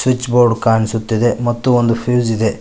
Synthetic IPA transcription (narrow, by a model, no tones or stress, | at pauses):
sʋit͡ʃːboːɾɖkaːɳisut̪ːid̪e̞mɐt̪ːuond̪upʰjuːzid̪e̞